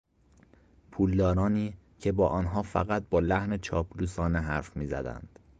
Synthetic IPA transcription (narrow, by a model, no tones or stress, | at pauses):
pʰuːld̪ɒːɾɒːniː | cʰe̞bɒːʔɒːnɦɒːfæ̰ɣæt̪̚bɒːlæhnet͡ʃʰɒːpʰluːsɒːneɦæɾfmiːzæ̰d̪æ̰nd̪̥